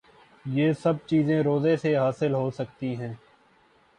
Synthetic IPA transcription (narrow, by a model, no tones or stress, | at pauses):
jeːsɐb̚t͡ʃiːzẽɾoːzẽseɦaːsɪlɦoːsək̚t̪iɦɛ̃ː